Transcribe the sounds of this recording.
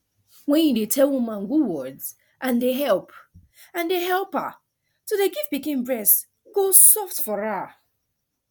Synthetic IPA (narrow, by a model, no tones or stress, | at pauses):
wɛ̃njidetʰɛlwumãnɡuwɔdz | ʔãndeɦɛlp | ãndeɦɛlpa̰ | todeɡivbikĩnbɹɛs | ɡosɔftfɔɹa